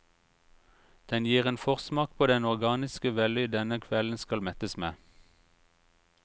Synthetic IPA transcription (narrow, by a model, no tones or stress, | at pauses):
d̪̥ɛnjiːʁeːnfɔʁsmɑːk̚pʰoːd̪ɛnɔʁɡɑːnɪskəʋɛlʏd̪ɛnəkʰʋɛln̩skɑlmɛt̪əsmeː